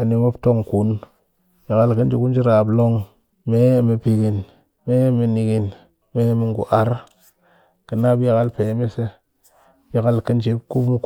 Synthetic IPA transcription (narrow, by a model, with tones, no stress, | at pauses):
a˨ni˨mo˦bto˦ŋku˨˦n | ji˨ka˦lkə˦nd͡ʒi˦ku˦nd͡ʒi˦ɾa˨blo˦ŋ | me˦˨me˨pi˨ɡi˨n | me˦mi˨ni˨ɡi˨n | me˦mi˨ŋɡṵ˨ʔa˨ɾ | kə˨na˦bji˨ɣa˦lpe˨˦mi˦se˦ | bi˦ka˦lkə˦nt͡ʃi˦bku˦bmu˦k